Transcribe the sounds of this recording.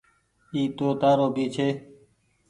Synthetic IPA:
iːt̪oːt̪aːɾoːbʱiːt͡ʃʰeː

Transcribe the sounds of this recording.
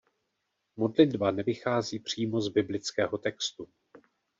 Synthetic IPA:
mo̞dlɪdbanɛvɪxaːziːpr̝̥iːmo̞zbɪblɪt͡skɛːɦo̞t̪ɛkst̪u

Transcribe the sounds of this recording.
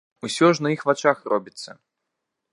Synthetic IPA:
usʲɔʐnɐixvat͡ʃaxrɔbʲit̪sːɐ̰

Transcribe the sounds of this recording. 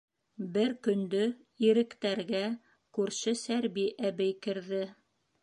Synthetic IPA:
bɘɾkɵ̆nd̪ɵ | iɾɘ̆kt̪æɾɡæ | kʉɾʃɘsæɾbiʔæβɘjkɘ̆ɾðɘ

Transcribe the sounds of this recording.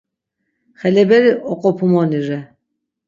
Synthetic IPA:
χɛlɛbɛɾiʔɔqʼɔpʰumɔniɾɛ

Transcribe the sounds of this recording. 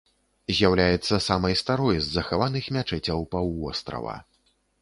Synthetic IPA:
zʲjawlʲajɛt̪sːɐsamɐjst̪aɾɔjzːɐxavanɨxmʲat͡ʂɛt͡sʲɐwpawvɔst̪ɾɐ̰vɐ̰

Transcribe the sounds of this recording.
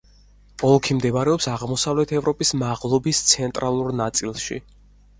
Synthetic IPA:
ɔlˠkʰimd̪ɛvaɾɛɔpsaʁmɔsavlɛt̪ʰɛvɾɔpʼismaʁlˠɔbist̪sʰɛnt̪ʼɾalˠuɾnat̪sʼilˠʃḭ

